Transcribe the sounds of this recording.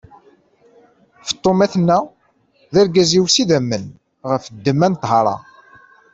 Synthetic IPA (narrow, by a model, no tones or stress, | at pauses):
fə̥t̪ˤːomæθnːæ | ðæɾɡæziwsiðæmːən | ʁəfd̪ːəmːænt̪ɦɑɾˤɑ̰